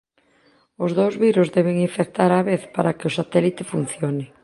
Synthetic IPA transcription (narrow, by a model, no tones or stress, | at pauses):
ʊzðowzβiɾozðɛβɪŋiɱfek̚t̪aɾaβeθpaɾakeosat̪ɛlit̪ɪfun̟θjonɪ